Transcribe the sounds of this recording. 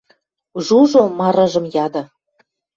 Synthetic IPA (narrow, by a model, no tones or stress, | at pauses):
ʒuʒomɑɾɑ̆ʒɤ̆mjɑd̪ɤ̆